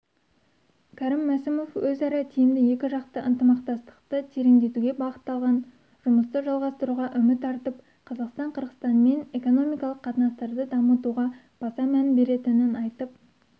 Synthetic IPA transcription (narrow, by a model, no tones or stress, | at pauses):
kʲʰæɾɪmːæsɪmo̞fwɵzɑɾɑt̪ʰijɪmd̪ɪje̞kʲɪʒɑqt̪əʔənt̪əmɑq̚t̪ɑst̪ə̥q̚t̪ət̪ʰe̞ɾeŋd̪e̞t̪uɡʲe̞bɑʁət̪ːɑlˠʁɑn | ʒ̥ʊməst̪əʒɑlˠʁɑst̪əɾuʁɑʔʏmɪt̪ːʰɑɾt̪əp̚ | qʰɑzɑqst̪ɑɴqʰəɾʁə̥st̪ɑnme̞ne̞ko̞no̞mijkɑlˠəqʰːɑt̪ənɑst̪ɑɾd̪əd̪ɑmət̪uʁɑ | b̥ɑsɑmænbe̞ɾe̞t̪ɪnɪnɑjt̪əp̚